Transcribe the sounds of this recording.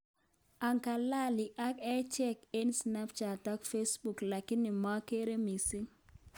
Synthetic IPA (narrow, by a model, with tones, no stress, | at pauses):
a˨ŋka˨la˦˨lɪ˨ʔa˦kɛ˦t͡ʃɛ˦ke˦nsna˦pt͡ʃa˨tɔ˦kfe˦sbu˨kla˨kɪ˦nɪ˨ma˦ke˦ɾe˦mi˨sɪ˦ŋ